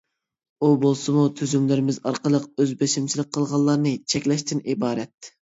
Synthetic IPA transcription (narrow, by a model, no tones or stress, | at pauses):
ubolˠsɨmut̪ʰyzymlɪɾɪmɪzɑɾqəlˠəq̚øzbeʃimt͡ʃʰilˠɪk̚ʲqʰːəlˠʁɑlˠːɑɾnɨt͡ʃʰɛkʲlɛʃt̪ɪnibɑːɾɛt̪̚